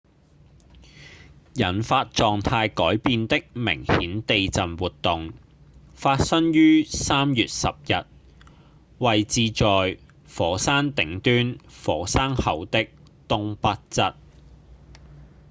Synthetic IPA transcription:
jɐ˨˩nfaː˧t̚t͡ʃɔː˨ŋt̪ʰaː˧jkɔː˨˥jpiː˧nt̪ɪ˥k̚mɪ̰˨˩ŋhiː˨˥nt̪e˨˧jt͡sɐ˨nwuː˨t̚t̪ʊ˨ŋ | faː˧t̚sɐ˥ŋjyː˥saː˥mjyː˨t̚sɐ̰˨p̚jɐ˨t̚ | wɐ˨jt͡siː˧t͡ʃɔː˨j | fɔː˨˥saː˥ŋt̪ɪ˨˥ŋt̪yː˥nfɔː˨˥saː˥ŋhɐ˨˧˥wt̪ɪ˥k̚ | t̪ʊ˥ŋpɐ˥t̚t͡sɐ˥t̚

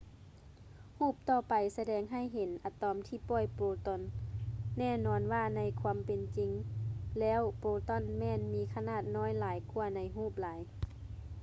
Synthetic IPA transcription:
huː˥˩p̚t̪ɔː˧˩pa˨jsa˧dɛː˧˦ŋɦa˧˥˨jɦe˨˦nʔa˨˧˩t̪ɔː˧˦mt̪ʰiː˧˩pɔ˧˩˨jpoː˧t̪ɔ˧˩˨nː | ɛː˧˩˨nɔː˧nwaː˧na˧jkʰwa˧˥mpe˨nt͡ɕi˨˧ŋlɛː˧˥˨wpoː˧t̪ɔ˧˥˨nmɛː˧˨nmiː˧˥kʰa˧naː˧˩t̪̚nɔː˧˥˨jlaː˨˦jku˧ɐna˧jɦuː˥˩p̚laː˨˦j

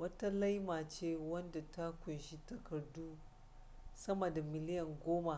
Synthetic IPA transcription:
wɐ˦ta˦la˦jmaː˨t͡ʃeː˦wɐ˦nda˨ta˦kʷʊ˨nʃi˦tɐ˨kɐ˨rduː˦ | sɐ˦mɐ˨da˨mɪ˨lɪ˦jɐ˨ŋɡʷoː˦ma˨

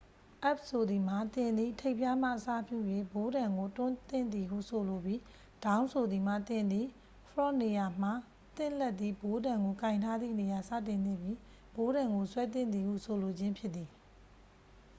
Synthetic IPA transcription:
ʔɛ˦p̚so˨d̪i˨m̥a˨t̪ɪ̃˨nd̪ḭ˦˨tʰe˦ɪʔpja˦m̥a̰˦˨ʔəsa̰˦˨pjṵ˦˨jwe˦˨bo˨˦ɾã˨ŋɡo˨tʊ̃˦t̪ɪ̰̃˦˨nd̪i˨ɦṵ˦˨so˨lo˨bji˦ | d̥ã˦ʊ̃nsʰo˨d̪ði˨m̥a̰˦˨t̪ɪ̃˨nd̪i˨ | fʰɹɔ˦˨ne˨ja˨m̥a˨ | t̪ɪ̰̃˦˨lɛ˦t̪̚ːðḭ˦˨bo˨˦dã˨ŋɡo˨kã˨ɪ̃ntʰa˦d̪ðḭ˦˨ne˨ja˨sä̰˦˨tɪ̃˨nne˦˨bji˦ | b̥o˨˦ɾã˨ŋɡo˨swɛ˦t̪̬ɪ̃˦nd̪i˨hṵ˦˨so˨lo˨d͡ʑɪ̃˦mpʰjɪ˦t̪t̪ːi˨

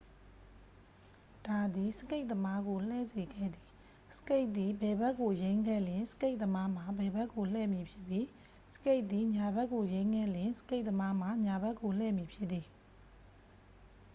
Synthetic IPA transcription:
d̥a˨d̪i˨səke˦ɪʔ̚t̪əma˦ɡo˨l̥ɛ̰˦˨ze˨ɡɛ̰˦˨d̪i˨ | sə̥ke˦ɪʔ̪̚i˨bɛ˨bɛ˦kːo˨jẽ˦ɪ̃ŋɡɛ̰˦˨ljɪ̃˨nsə̥˦ke˦ɪʔ̪̚t̪əma˦m̥a˨bɛ˨bɛ˦kːo˨l̥ɛ̰˦˨mji˨pʰjɪ˦ʔpːji˨˦ | sə̥ke˦ɪʔ̪t̪ði˨ɲa˨bɛ˦ʔkːo˨jẽ˦ɪ̃ŋɡɛ˦˨ljɪ̃˨sə̥ke˦ɪʔ̪̚t̪ːəma˦m̥a˨ɲa˨bɛ˦kːo˨l̥ɛ˦˨mji˨pʰjɪ˦t̪t̪ːi˨

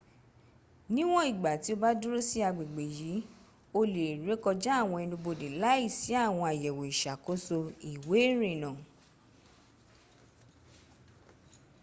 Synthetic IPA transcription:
nĩ˦w̃ɔ̃˦i˦˨ɡ͡ba˨ti˨˦o˦˧ba˦du˦ɾo˦si˦a˧ɡ͡be˨ɡ͡be˨ji˨˦ | o˧le˨ɾe˨˦kɔ˧d͡ʒa˦a˦˨w̃ɔ̃˧ɛ˧nũ˧bo˧de˨la˦i˦˨si˨˦a˦˨w̃ɔ̃˧a˨jɛ˨wo˨i˨ʃa˨ko˨˦so˧i˨we˨˦ɾe˨nã˨

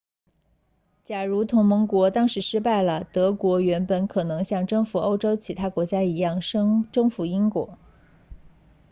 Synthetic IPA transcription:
t͡ɕja˨˩ɻu˧˥t̪ʰʊ˧˥ŋmə˧˥ŋkwɔ˧˥t̪ɑ˥ŋʂɻ̩˧˥ʂɻ̩˥pa˥˩ɪlə˩t̪ɤ˧˥kwɔ˧˥ɥɛ˧˥npə˨˩nkʰɤ˨˩nɤ˧˥ŋɕjɑ˥˩ŋʈ͡ʂɤ˥˩ŋfu˨˩o˥˩ʊʈ͡ʂo˥ʊt͡ɕʰi˧˥t̪ʰa˥kwɔ˧˥t͡ɕja˥i˧˥jɑ˥˩ŋʂŋʈ͡ʂɤ˥ŋfu˧˥i˥ŋkwɔ̰˧˥

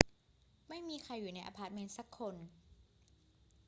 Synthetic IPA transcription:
ma˥˩jmiː˧kʰa˧jːuː˨˩na˧jʔa̰˧pʰaː˧˩t̪̚me˧nsa˧˦˥kʰːo˧n

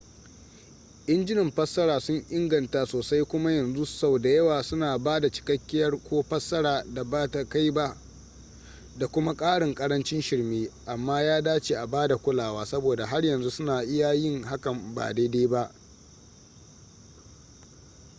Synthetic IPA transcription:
ʔɪ˦nd͡ʒɪ˦nɪ˨mɸɐ˦sːɐ˦ɽaː˨sʊ˦ɲʔɪ˦ŋɡɐ˨nta˨soː˨sa˦jkʷʊ˦ma˦jɐ˨nzu˦sa˦˨wda˨jɐ˦waː˨sʊ˦naː˨baː˦da˨t͡ʃɪ̥˨kɐ˦kʲːɪ˦jɐ˦rkʷoː˦ɸɐ˦sːɐ˦ɽaː˨da˨baː˦ta˨ka˦jba˦ | da˨kʷʊ˦ma˦kʼaː˦ɽɪ˨ŋkʼɐ˦ɽɐ˦nt͡ʃɪ˦nʃɪ˨rmeː˦ʔa˨mːaː˦jaː˦daː˦t͡ʃeː˨ʔa˨baː˦da˨kʷʊ˦laː˨waː˦sɐ˦boː˨da˨ɦa˦rjɐ˨nzu˦sʊ˦naː˨ʔɪ˦ja˦jɪ˦ŋha˦kɐ˨mba̰ː˨da˦jdeː˦ba˦ʔ

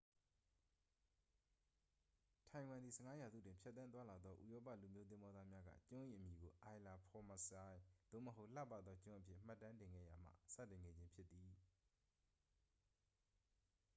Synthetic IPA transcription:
tʰã˨ɪ̃wã˨nd̪i˨sə˨ŋa˦ja˨zṵ˦˨tɪ̃˨mpʰjɛ˦t̪ːã˦nt̪̬wa˦la˨d̪ðɔ˦ʔṵ˨jɔ˦pä̰˦˨lu˨mjo˦t̪ɪ̃˦mbɔ˦d̪ða˦mja˦ɡä̰˦˨t͡ɕʊ̃˦ʔḭ˦˨ʔə˨mji˨ɡo˨ʔa˨ɪla˨pʰɔ˨mə˨sa˨jd̪̥o̰˦˨məɦo˦ʔla̰˦˨pːa˦˨d̪ðɔ˦t͡ɕʊ̃˦ʔə˦pʰjɪ̰˦˨m̥a˦˨tːã˦ntɪ̃˨ŋɡɛ̰˦˨ja˨m̥a̰˦˨sa̰˦˨tɪ̃˨ŋɡɛ̰˦˨d͡ʑɪ̃˦mpʰjɪ˦t̪ːi˨

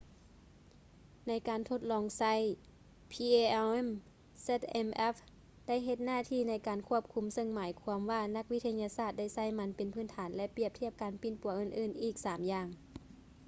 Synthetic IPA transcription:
na˧˥jkaː˨˩nt̪ʰo˧˥t̪̚lɔː˧˦ŋsa˧˥˨j | pʰiː˧eː˧ʔe˥m | se˧˥t̪̚ʔe˧mʔɛ˦˥f | da˥˩˨jɦe˧t̪̚naː˧˥˩t̪ʰiː˧˥˩na˧˥˩jkaː˨nkʰu˧˥˩əp̚kʰu˧˥msɤ˧˨ŋmaː˨˦jkʰu˧əmʋaː˧na˧˥k̚ʋi˦˥t̪ʰa˧ɲa˧saː˧˩t̪̚da˥˩jsa˧˩˨jma˧˥npe˨npʰɯː˧˥˩nt̪ʰaː˩˦nlɛ˧pi˧˥˩əp̚t̪ʰi˥əp̚kaː˨˦npi˨˧˩npu˨˦ɐʔɯː˧˩˨nʔɯː˧˩nʔiː˨˩k̚saː˨˩˦mjaː˧˩ŋ

